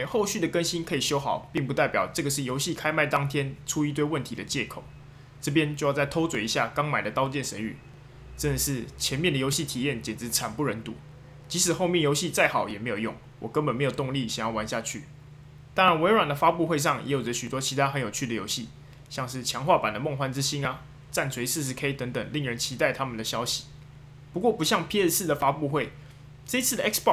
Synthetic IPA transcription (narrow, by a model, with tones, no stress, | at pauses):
xo˥˧ʊɕy˥˩d̪ə˩kə˥nɕi˥nkʰɤ˧˥i˨˩ɕjo˥ʊxɑ˨˩ʊpi˥˩ŋpu˧t̪a˥˩ɪpjɑ̰˨˩ʊʈ͡ʂɤ˥˩ɡə˩ʂɻ̩˥˩jo˧˥ʊɕi˥˨kʰa˥ɪma˥˩ɪt̪ɑ˥ŋt̪ʰjɛ˥nʈ͡ʂʰu˥i˧˥t̪we˥˧ɪwə˥˩nt̪ʰi˧˥d̪ə˨t͡ɕjɛ˥˩kʰo˨˩ʊ | ʈ͡ʂɤ˥˧p̬jɛ˥nt͡ɕo˥˧jɑ˥˧ʊt͡sa˥˩ɪt̪ʰo˥ʊt͡swe˨˩i˧˥ɕja̰˥˩kɑ˥ŋma˨˩ɪd̪ə˩˦t̪ɑ˥ʊt͡ɕjɛ˥˩nʂə˧˥y̰˨˩˦ | ʈ͡ʂə˥˧nd̪ə˩ʂɻ̩˥˩t͡ɕʰjɛ˧˥nmjɛ˥˩d̪ə˩jo˧˥ʊɕi˥˩t̪ʰi˨˩jɛ˥˩nt͡ɕjɛ˨˩nʈ͡ʂɻ̩˧˥t͡sʰa˨˩npu˥˩ɻə˧˥nt̪ṵ˧˥ | t͡ɕi˧˥ʂɻ̩˨˩xo˥˧ʊmjɛ˥˩njo˧˥ʊɕi˥˧t͡sa˥˩ɪxɑ˨˩ʊjɛ˨˩me˧˥ɪjo˨˩jʊ˥˩ŋ | wɔ˨˩kə˦npə˨˩nm˧˥ɪjo˨˩ʊt̪ʊ˥˧ŋli˥˨ɕjɑ˨˩ŋjɑ˥˩wa˧˦nɕja˥˧t͡ɕʰy˥˩ | t̪ɑ˥ŋɻa˧˦nwe˧˥ɪɻwa˨˩nd̪ə˦fa˥pu˥˧xwe˥˧ɪʂ̬ɑ˥˨˩ŋjʔɛ˧˥jo˨˩ʈ͡ʂə˦ɕy˨˩wɔ˥t͡ɕʰi˧˥t̪ʰa˥xə˧˦njo˨˩t͡ɕʰy˥˩d̪ə˩jo˧˥ʊɕi˥˩ | ɕjɑ˥˧ŋʂɻ̩˥˩t͡ɕʰjɑ˧˥ŋxwa˥˩pa˨˩nd̪ə˦m˥˧ŋxwa˥nt͡s̩˥ɕi˥na˨ | t͡sa˥˩nt͡sʰwe˧˥ɪsɻ̩˥˩ʂ̬ɻ̩˧˥kʰe˥ɪt̪ə˧˥ŋt̪ə˨˩ŋli˥˩ŋɻə˧˦nt͡ɕʰi˧˥t̪a˥˩ɪt̪ʰa˥mə˨nd̪ə˩ɕjɑ˥ʊɕi̥˨˦ | pu˧˥kwɔ˥˩pu˧˥ɕjɑ˥˩ŋpʰi˥ɛ˥sɹ̩˥˩d̪ə˩fa˥pu˥˧xwe˥˩ɪ | ʈ͡ʂə˥˧i˦t͡sʰɨ˥d̪ə˨ʔɛ˥kspɔ˥˨˩